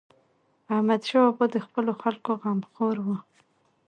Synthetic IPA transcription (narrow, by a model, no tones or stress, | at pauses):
ahmad̪ʃɑbod̪əxpəloxalkoɣamxoɾwə